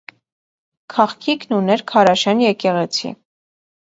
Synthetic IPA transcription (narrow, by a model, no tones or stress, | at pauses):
kʰɑχkʰiknunɛɾkʰɑɾɑʃɛnjɛkɛʁɛt͡sʰḭ